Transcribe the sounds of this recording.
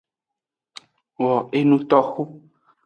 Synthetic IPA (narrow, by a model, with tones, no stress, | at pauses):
wɔ˨e˦nũ˦t̪ɔ˦xu˦